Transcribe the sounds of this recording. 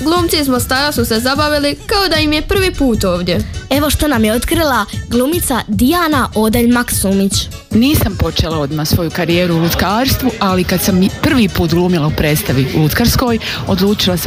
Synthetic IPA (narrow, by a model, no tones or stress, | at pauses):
ɡlˠuːmt̪siizmo̞st̪aːɾasusezabaʋilikaod̪aimjepr̩ʋiːpuːt̪o̞ːʋd̪je̞e̞ʋo̞ʃt̪onamjeot̪kɾilˠaɡlˠuːmit̪sad̪ijaːnaʔod̪eʎmaksuːmit͡ɕ | niːsampo̞t͡ʃelˠao̞d̪maːsʋo̞jukaɾijeːɾuulut̪kaːɾst̪ʋualikad̪sampr̩ʋiːpuːt̪ɡluːmilaupɾeːt̪st̪aʋḭlut̪kaɾsko̞ːj | od̪luːt͡ʃilas